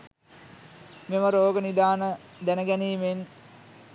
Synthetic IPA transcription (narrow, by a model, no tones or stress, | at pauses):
meməɾoːɡənid̪aːnəd̪ænəɡæniːmen